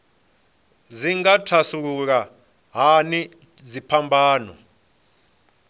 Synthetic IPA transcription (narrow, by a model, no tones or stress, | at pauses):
ziŋatʰasuk̬uk̬a | ɦani | zipʰambʱaːnɔ̰